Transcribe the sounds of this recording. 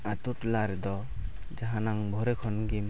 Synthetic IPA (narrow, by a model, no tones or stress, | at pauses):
at̪uʈlaɾɛd̪ɔ | d͡ʒaɦanaŋbʱɔɾɛkʰɔnɡim